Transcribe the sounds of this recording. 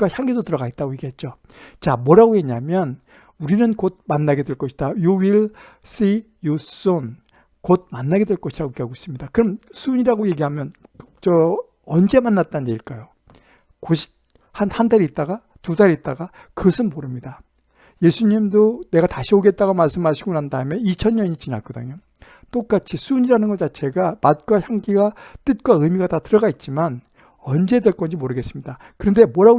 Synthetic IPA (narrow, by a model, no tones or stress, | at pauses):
açjaŋɡedotɯɾʌɡaɡet̚t͈aɡojeɡiɦe̞t̚t͡ɕ͈o | t͡ɕamwʌɾaɡoje̞ɲamjʌn | uɾinɯnkod̚manːaɡe̞dwe̞ɭk͈ʌɕʰid̥ajuwiɭ | s͈i | jos͈on | kod̚manːaɡe̞dwe̞ɭk͈ʌɕʰiɾaɡokeaɡois͈ɯmɲidakɯɾʌmsʰuɲiɾaɡoje̞ɡiɦamjʌn | t͡ɕʌ | ʌnd͡ʑe̞manːat̚t͈and͡ʑeiɭk͈ajo | koɕʰi̥ | hanhandaɾiːt̚t͈aɡa | tudaɾiːt̚t͈aɡa | kɯɡʌsʰɯnmoɾɯmɲida | je̞sʰuɲimdone̞ɡataɕʰioɡe̞t̚t͈aɡomaɭs͈ɯmɦaɕʰiɡonandaɯmjʌnit͡ɕʰʌɲːʌɲit͡ɕinak͈ʌdɯ̰ɲo | t͈ok͈at͡ɕʰisʰuɲiɾanɯnɡʌt͡ɕat͡ɕʰe̞ɡamat̚k͈waçjaŋɡiɡat͈ɯt̚k͈waɯmiɡatatɯɾʌɡait̚t͡ɕ͈iman | ʌnd͡ʑe̞deɭk͈ʌnd͡ʑimoɾɯɡe̞s͈ɯmɲida | kɯɾʌnde̞mʌɾa